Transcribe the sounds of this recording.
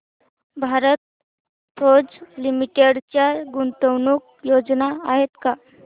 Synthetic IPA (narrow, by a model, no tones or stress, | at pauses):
bʱaɾət̪̚ | fʰod͡zlimiʈeɽt͡ɕjaɡunt̪əwnuːk̚ | jod͡znaaɦet̪ka